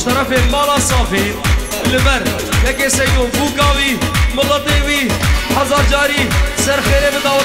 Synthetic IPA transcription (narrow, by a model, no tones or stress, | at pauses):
t̪ɐɾəfeːmaːlaːsaːfeː | ɪlɪməɾ | ekesɐijõːbuːkaːʋiːmʊlət̪eʋiːɦɐzaːɾd͡ʒaːɾiːsɐɾxeːɾebɪd̪aːʋ